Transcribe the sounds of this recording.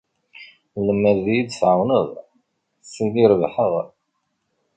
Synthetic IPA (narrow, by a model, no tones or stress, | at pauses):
ləmːəɾðijid̪sʕawnəð | siniɾvħəʁ